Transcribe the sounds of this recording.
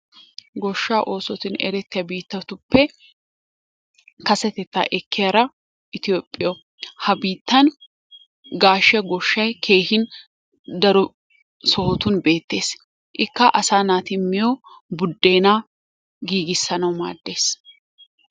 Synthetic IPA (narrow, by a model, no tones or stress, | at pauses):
ɡɔʃːaːʔo̞ːsɔt̪ɪnɛ̰ɾɛt̪ːɪjɐbiːt̪ːɐt̪ʊpːɛ | kɐsɛt̪ɛt̪ːa̰ʔɛkːɪjaɾɐ | ʔɪt̪ɪjoːpʼːɪjɔ | hɐbiːt̪ːɐn | ɡaːʃɐɡɔʃːɐjkʰe̞ːhɪn | d̪ɐɾɔ | sɔhɔt̪ʊnbe̞ːt̪ːe̞ːs | ʔɪkːɐʔɐsaːnaːt̪ɪmːɪjo | bʊd̪ːe̞ːnaː | ɡiːɡɪsːɐnɐwma̰ːd̪ːe̞ːs